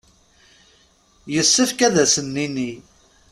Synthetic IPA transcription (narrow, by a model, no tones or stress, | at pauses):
jəsːəfkæðæsənːinːi